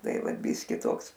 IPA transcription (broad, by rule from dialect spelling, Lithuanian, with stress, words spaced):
ˈtɐɪ ˈʋɐt ˈbʲiːsʲkʲɪ ˈtoːks